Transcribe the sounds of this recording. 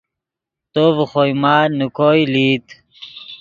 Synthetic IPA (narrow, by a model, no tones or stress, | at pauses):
t̪oːvxojmaːnukoːjliːt̪